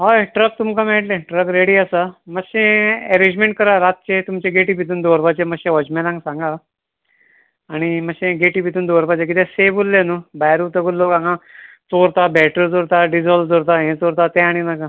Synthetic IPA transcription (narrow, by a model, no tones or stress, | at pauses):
ɦajʈɾək̚t̪umkãmeʈlẽʈɾəkɾeɽiːasaməɕẽɛɾẽɲd͡ʑmeɳʈ̚kəɾaɾat̪̚t͡ɕet̪umt͡ɕeɡeʈipit̪̬uːnd̪oɾpat͡ɕeməɕẽʋɔd͡ʑmelãŋɡsãŋɡa | ɽ̃iməɕẽɡeʈiːpit̪uːnd̪oɾbat͡ɕẽk̬it̪ẽsebolːenubajɾut̪əɡulːokãɡã | t͡soɾt̪abɛʈɾət͡soɾt̪aɖid͡zɔld͡zoɾt̪aɦẽt͡soɾt̪at̪ɛ̃aɽ̃inakã